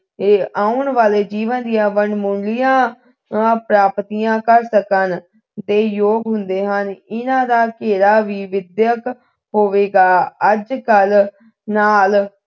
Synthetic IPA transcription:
eːaːʊɳʋaːleːd͡ʒiːʋənd̪ijãːʋəɳmʊɳlɪjãː | pɾaːpt̪ijãːkəɾsəkən | d̪eːjoːɡɦʊnd̪eːɦənɪnãːd̪aːkeːɾaːʋiːʋɪd̪jək | ɦoːʋeːɡaːəd͡ʒkəl | naːl

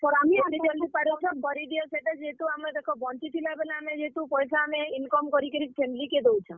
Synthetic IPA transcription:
pɔɾamid̪id͡ʒɔld̪ipaɾet͡ʃʰɔ̃kɔɾiɖ̪iɔseʈad͡ʒet̪uamed̪ekʰɔbɔnt͡ʃit̪ʰilabelaamed͡ʒet̪upɔjsaameinkɔmkɔɾikəɾipʰemiliked̪ewt͡ʃʰɔ̃

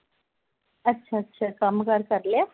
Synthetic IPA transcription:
ɐtːʃʰaːtːʃʰakɐmkəɾkɐɾle

